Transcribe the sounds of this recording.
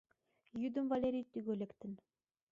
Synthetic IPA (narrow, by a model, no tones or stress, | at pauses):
jyd̪ə̆mvalʲeɾʲijt̪yɡølʲekt̪ɘ̆n